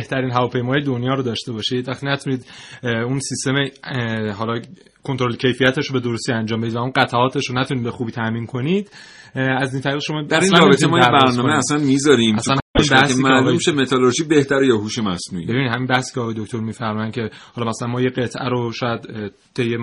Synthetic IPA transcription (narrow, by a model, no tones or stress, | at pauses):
eht̪ʰæɾiːnɦævɒːpʰe̞jmɒːjed̪o̞njɒːɾod̪ɒːʃt̪e̞bɒːʃid̪væxt̪iːnæt̪ʰuniːd̪unsist̪e̞meɦɒːlɒ | kʰont̪oɾolcʰe̞jfijæt̪ʰeʃɾobe̞d̪oɾost̪iænd͡ʒɒːmbe̞d̪id̪væunɢæt̪ʰæɒːt̪ʰeʃɾonæt̪ʰuniːd̪̚bexuːbiːt̪ʰæʔmiːnkʰo̞nid̪̥ | æzint̪ʰæɾiːɣʃo̞mɒːd̪æɾsinlæɾɔːbeemɒːjeæɾbæɾnɒːmeæslænmizɒːɾiːmæslænmibæhsemælʃemet̪ʰɒloɾʒibeht̪ʰæɾejɒɦuːʃemæsnṵibe̞binid̪hæminbæhsi̥ːcʰeɒːɣɒjed̪okt̪oɾmiːfæɾmɒːjæn̚cʰe̞hɒlɒːmæsælænmɒːjeɡe̞t̪ʰʔæɾoʃɒːjæd̪ | t̪ʰejːe